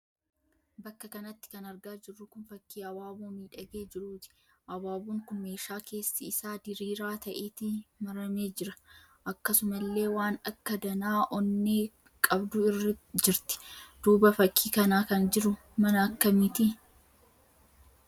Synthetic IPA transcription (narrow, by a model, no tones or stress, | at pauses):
bɐkːɐkɐnɐt̪ːɪ̥kɐnɐɾɡaːd͡ʒɪrːʊkʊnfɐkːiːɐwaːbuːmiːᶑɐɡe̞ːd͡ʒɪɾuːt̪ɪ̥ | ʔɐbaːbuːŋkʊnme̞ːʃaːkʰe̞ːsːɐɪsaːd̪ɪɾiːɾaːt̪ɐʔeːt̪ɪmɐɾɐmeːd͡ʒɪɾɐ̥ | ʔɐkːɐsʊmɐlːe̞ːwaːnɐkːɐd̪ɐnaːʔɔnːeː | kʼɐbd̪ʊɪrːɪd͡ʒɪɾt̪ɪ̥d̪̥uːbɐfɐkʰːiːkɐnaːkɐnd͡ʒɪɾʊ | mɐnɐːkːɐmɪt̪ɪ